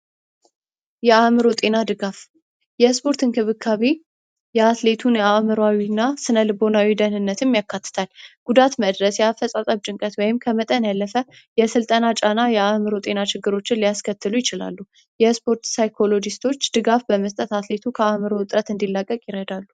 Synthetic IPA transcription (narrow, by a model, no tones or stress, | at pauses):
jɛamɨɾo̞t̪ʼe̞nad̪ɨɡaf | jɛspʰo̞ɾt̪ʰɨnkʰɨβɨkʰːaβe | jɛat̪le̞t̪ʰunjɛamɨɾawinːasɨnəlɨbo̞nawid̪ənɨnːət̪ʰɨmːjakːat̪ːɨ̥t̪ʰalɡ̥ud̪at̪məd̪ɾəsjɛafəsʼat̪ʼəβt͡ʃʼɨŋkʼət̪wɔjɪmkʰəmət̪ʼənjalːəfə | jɛsɨlt̪ʼənat͡ʃʼanajɛamɨɾo̞t̪ʼe̞nat͡ʃɪɡːɨɾo̞t͡ʃːɪnlijaskʰət̪ʰːɨlujɪt͡ʃɪla̰lːu | jɛspʰo̞ɾt̪sajkʰo̞lo̞d͡ʒist̪ʰo̞t͡ʃːd̪̥ɨɡafbəməst̪ʼət̪at̪le̞t̪ʰukʰəamɨɾo̞ɨt̪ʼɾət̪ɨnd̪ilːakʼːəkʼjɪɾəd̪alːu